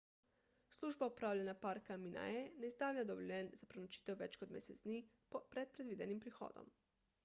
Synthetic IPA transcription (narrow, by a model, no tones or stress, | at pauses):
sluʒbaupɾaːwʎʲenapaɾkaminʔa̰eneizd̪aːwʎʲad̪oʋoʎʲɛnzapɾenot͡ʃi̥t̪ɛwʋɛt͡ʃkod̪mḛsezd̪ni | popɾɛd̪̚pɾed̪ʋiːd̪enimpɾixo̰ːd̪o̰m